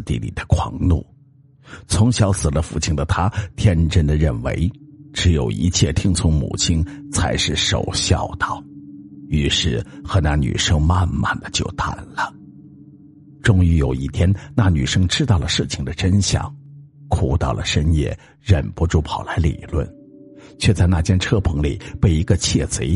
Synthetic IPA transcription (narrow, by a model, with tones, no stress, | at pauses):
t̪ḭ˥˩lḭ˨˩d̪ə˦kʰwɑ˧˥ŋnṵ˥˩ | t͡sʰʊ˧˥ŋɕjɑ˧˥ʊsɹ̩˨˩lə˦fu˥˩t͡ɕʰi˥ŋd̪ə˨t̪ʰa˥t̪ʰjɛ˥nʈ͡ʂə˥˩nd̪ə˨ɻə˥˩nwḛ˧˥ɪʈ͡ʂɻ̩˧˥jo˨˩ʊḭ˧˥t͡ɕʰjɛ˥˩t̪ʰi˥ŋt͡sʰʊ˧˥ŋmṵ˨˩t͡ɕʰi˥nt͡sʰa˧˥ɪʂɻ̩˥˩ʂo̰˨˩ʊɕjɑ˥˧ʊt̪ɑ˥˩ʊy˧˥ʂɻ̩˥˩xɤ˧˥na˥˩ny̰˨˩ʂɤ˥ŋma˥˧nma̰˥˩nd̪ə˩t͡ɕjo˥˧ʊt̪a˥˩nlə˦ | ʈ͡ʂʊ˥ŋy˧˥jo˨˩ʊi˥˩t̪ʰjɛ˥nna˥˩ny̰˨˩ʂɤ˥ŋʈ͡ʂɻ̩˥t̪ɑ˥˩ʊlə˩ʂɻ̩˥˩t͡ɕʰi˨˩ŋd̪ə˦ʈ͡ʂə˥nɕjɑ̰˨˩˦ŋ | kʰu˨˧˩t̪ɑ˥˩ʊlə̰˩ʂə˥njɛ̰˥˩ | ɻə˨˩npɔ˧˥ʈ͡ʂu˥˩pʰɑ˨˩ʊla˧˥ɪlḭ˨˩lwə̰˥˩n | t͡ɕʰɥɛ˥˧t͡sa˥˧ɪna˥˩t͡ɕjɛ˥nʈ͡ʂʰɤ˥pʰɤ˧˥ŋlḭ˨˩pe˥˩ɪi˧˥ɡə˧t͡ɕʰjɛ˥˩t͡se˧˥ɪ